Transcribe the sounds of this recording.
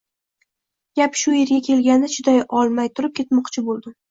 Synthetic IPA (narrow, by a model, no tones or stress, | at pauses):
ɡʲapʃʊje̞ɾɡʲakʲʰe̞lɡʲand̪aʃʊd̪ajɒlˠmajt̪ʰʊɾɪp̚kʲʰe̞t̪mɒqt͡ʃʰɪbolˠd̪ɪ